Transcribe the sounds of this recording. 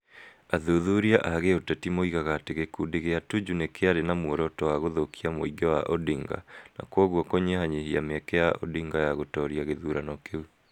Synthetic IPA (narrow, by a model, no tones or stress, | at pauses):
aðoðuɾiaʔaɣeotɛtimoiɣaɣateɣekudeɣeatud͡ʒunekeaɾenamwɔɾɔtɔwaɣoðokiamoiɡɔwaʔodiŋɡa̰na̰kwɔɣwɔkoɲehaɲehiameɛkɛjaʔo̰diŋɡajaɣotɔɾiaɣeðuɾanɔkeu